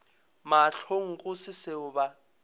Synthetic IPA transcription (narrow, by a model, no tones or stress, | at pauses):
maɬʰoŋ̩kʼʊsɪsɪʊba